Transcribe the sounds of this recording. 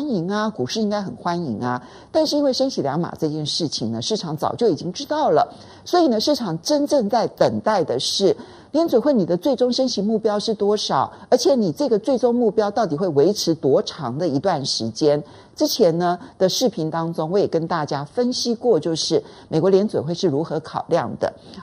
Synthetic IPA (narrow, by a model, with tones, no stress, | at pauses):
ni˧˥ŋɐ˧ku˨˩ʂɻ̩˥˧i˥ŋka˥ɪxə˨˩nxwa˥nḭ˧˥ŋɐ˧ | t̪a˥˧nʂɻ̩˥˩i˥nwe˥˩ɪʂə˥nɕi˧˥ljɑ˧˥ŋma̰˨˩ʈ͡ʂɤ˥˧t͡ɕjɛ˥˧nʂɻ̩˥˩t͡ɕʰi˨˩ŋnə˦ʂɻ̩˥˩ʈ͡ʂʰɑ˧˥ŋt͡sɑ˨˩ʊt͡ɕjo˥˩ʊi˨˩t͡ɕi˥ŋʈ͡ʂɻ̩˥t̪ɑ˥˩ʊlə̰˩ | swɔ˧˥i˨˩nə˧˦ʂɻ̩˥˩ʈ͡ʂʰɑ˧˥ŋʈ͡ʂə˥nʈ͡ʂɤ˥˧ŋt͡sa˥˩ɪt̪ə˨˩ŋt̪a˥˩ɪd̪ə˩ʂɻ̩˥˩ | ljɛ˧˥nt͡swe˨˩we˥˩ɪni˨˩d̪ə˦t͡swe˥˩ɪʈ͡ʂʊ˥ŋʂə˥nɕi˧˥mu˥˩pjɑ˥ʊʂɻ̩˥˩t̪wɔ˥ʂɑ˨˩˦ʊə˞˧˥t͡ɕʰjɛ˧˥ni˨˩t͡sɤ˥˩ɡə˩t͡swe˥˩ɪʈ͡ʂʊ˥ŋmu˥˩pjɑ˥ʊt̪ɑ˥˩ʊt̪i˨˩xwe˥˩ɪwe˧˥ɪʈ͡ʂʰɻ̩˧˥t̪wɔ˧˥ʈ͡ʂʰɑ˧˥ŋd̪ə˧i˧˥t̪wa˥˩nʂɻ̩˧˥t͡ɕjɛ˥n | ʈ͡ʂɻ̩˥t͡ɕʰjɛ˧˥nnə˧d̪ə˧ʂɻ̩˥˩pʰi˧˥nt̪ɑ˥ŋʈ͡ʂʊ˥ŋwɔ˧˥jɛ˨˩kə˥nt̪a˥˩t͡ɕja˥fə˥nɕi˥kwɔ˥˧t͡ɕjo˥˧ʊʂɻ̩˥˩me˨˩kwɔ˧˥ljɛ˧˥nt͡swḛ˨˩xwe˥˧ɪʂɻ̩˥˩ɻu˧˥xɤ˧˥kʰɑ˨˩ʊljɑ˥˩ŋd̪ə̰˩